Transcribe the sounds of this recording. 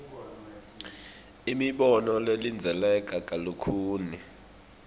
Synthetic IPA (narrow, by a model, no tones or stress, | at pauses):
imiɓɔnɔlelind͡zʱɛlɛkʼakʼalukʰuːni